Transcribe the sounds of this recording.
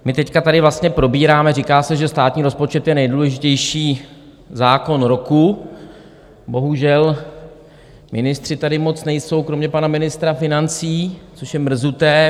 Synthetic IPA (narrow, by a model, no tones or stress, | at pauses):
mɪt̪ɛckat̪adɪvlast̪ɲɛpɾo̞biːɾaːmɛɾikaːsɛʒɛst̪aːt̪ɲiːɾo̞spo̞t͡ʃɛt̪jɛnɛjduːlɛʒɪcɛjʃiː | zaːkonɾo̞ku | bo̞ɦuʒɛl | mɪnɪst̪r̥ɪt̪adɪmo̞t͡snɛjso̞wkɾomɲɛpanamɪnɪst̪ɾafɪnant͡siːt͡soʃjɛmr̩zut̪ɛː